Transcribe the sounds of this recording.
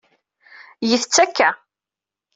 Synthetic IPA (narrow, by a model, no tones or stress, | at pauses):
jəθət͡sːækːæ